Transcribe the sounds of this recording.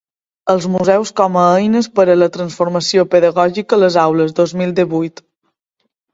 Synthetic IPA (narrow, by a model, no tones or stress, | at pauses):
əlˠzmuzɛwskɔməəjnəspəɾələt̪ɾənsfuɾməsiopəðəɣɔʒikələzawləzd̪ozmilˠd̪iβujt̪